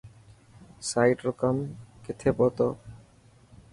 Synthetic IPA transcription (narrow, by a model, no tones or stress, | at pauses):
sajʈɾɔkamket̪ʰepɔt̪ɔ